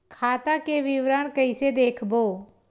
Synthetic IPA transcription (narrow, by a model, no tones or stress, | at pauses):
kʰaːt̪akeʋɪʋɾəɳkəɪsed̪eːkʰboː